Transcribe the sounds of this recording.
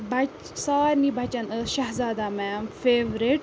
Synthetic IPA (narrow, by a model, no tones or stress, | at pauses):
bʱɐt͡ʃ | saːɾnibʱɐt͡ʃɐnəʃɐɦzaːd̪amɛːmfeːʋɾiʈ